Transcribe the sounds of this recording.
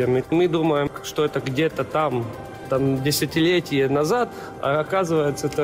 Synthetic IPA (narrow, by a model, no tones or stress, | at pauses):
ɪnɪmɨd̪uməjɪmʂt̪oɛt̪əɡdʲet̪ət̪am | t̪amdʲɪsʲɪtʲɪlʲetʲɪjənɐzat̪ | ɐ̰ɐkazɨvəjɪt̪səɛt̪ə